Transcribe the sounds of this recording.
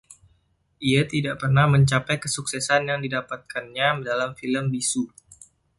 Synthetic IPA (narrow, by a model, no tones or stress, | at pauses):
ʔiat̪idaʔpərnahməɲt͡ʃapajkəsuksɛsanjaŋdidapat̪̚kanɲamədalamfiləmbisu